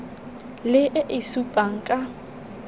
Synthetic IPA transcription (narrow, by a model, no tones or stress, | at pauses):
lɪʔɪʔɪsupʼaŋ̩kʼa